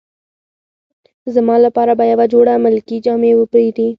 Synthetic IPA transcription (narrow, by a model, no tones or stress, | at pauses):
zamɑlapɑɾabajawad͡ʒoɽamɪlkid͡ʒɑmewəpəid̪i